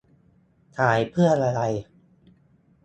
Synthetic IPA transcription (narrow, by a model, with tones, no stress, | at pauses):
t̪ʰaː˩˦jpʰɯ˥˩ənʔa˧ɾa˧j